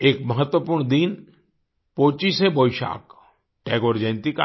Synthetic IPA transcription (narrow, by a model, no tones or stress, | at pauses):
eːkməɦət̪wəpuːɾɳd̪in | poːt͡ʃiseboɪʃa̰ːk | ʈeːɡoːɾd͡ʒẽnt̪ika